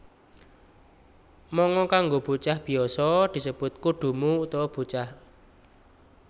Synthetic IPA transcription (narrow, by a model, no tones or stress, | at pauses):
mɔŋɔkaŋɡob̥ṳt͡ʃahb̥i̤ɔsɔd̪̥i̤səb̥ʊt̪̚kuɖ̪̥ṳmuut̪ɔwɔb̥ṳt͡ʃah